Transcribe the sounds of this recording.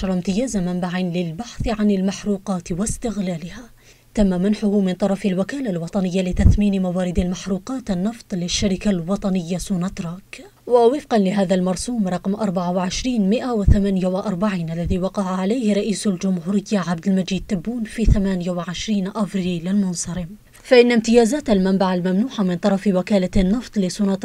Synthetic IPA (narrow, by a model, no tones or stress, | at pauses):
ɾˤɑmt̪ɪjaːzamambaʕinlɪlbaħθʕanɪlmaħɾuːqɑːt̪wɪst̪ɪɣlaːlɪhaː | t̪amːamanħʊhʊmɪnt̪ˤɑɾˤɑfalwakaːlalwɑt̪ˤɑnɪjːalɪt̪aθmiːnmawaːɾɪd̪almaħɾuːqɑːt̪anːɑft̪ˤlɪʃːaɾɪkalwɑt̪ˤɑnɪjːasuːnɑt̪ɾˤɑːk | wawɪfqɑnlɪɦaːðalmɑɾˤsuːmɾˤɑqmʔɑɾˤbaʕawɪʕɪʃɾiːnmɪʔawɪθamaːnjawɪʔɑɾˤbaʕiːnʔalːaðiːwɑqɑʕaʕalajhɪɾˤɑʔiːsald͡ʒʊmhuːɾɪjːaʕab̚d̪ɪlmad͡ʒiːd̪̚t̪abːuːnfiːθamaːnjawɪʕɪʃɾiːnʔafɾiːlɪlmʊnsɑɾɪm | faʔɪnːamt̪ɪjaːzaːt̪almambaʕalmamnuːħamɪnt̪ˤɑɾˤɑfwɪkaːlanːɨft̪ˤlɪsuːnɑt̪